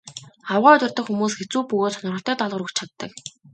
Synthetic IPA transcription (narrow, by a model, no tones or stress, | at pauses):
awʁœːt̪ʊ̆r̥t̪ə̆xumuːsɡet͡suːpɵɣoːt̪sɔnərʁə̆ɬt̪œːt̪ɔɮʁə̆ɾŭkt͡ɕʰat̪ːə̰̆k